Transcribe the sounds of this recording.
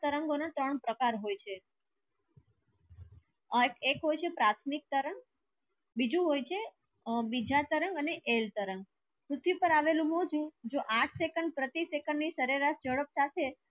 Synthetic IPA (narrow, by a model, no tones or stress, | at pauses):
t̪əɾəŋɡonat̪ɾəɳpɾəkaɾɦojt͡ʃʰe | ekekɦojt͡ʃʰepɾat̪ʰmik̚t̪əɾəŋɡ | bid͡ʒũɦojt͡ʃʰe | bid͡ʒʱat̪əɾəŋɡəneʔelt̪əɾəŋɡ | kɾut̪ʰːipəɾaʋelũmɔɦd͡ʒũd͡ʒoʔaʈʰsekəɳɖ̚pɾət̪isekəɳɖnisəɾeɾaʃd͡ʒəɽəp̚sat̪ʰe